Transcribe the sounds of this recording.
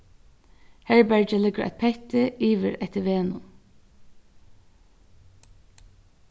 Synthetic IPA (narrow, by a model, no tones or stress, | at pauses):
hæɹbæɹd͡ʒəlɪɡəɹʔæ̰ɪt̪̚pʰɛht̪əiːʋəɹɛt̪əʋeːnʊ̰n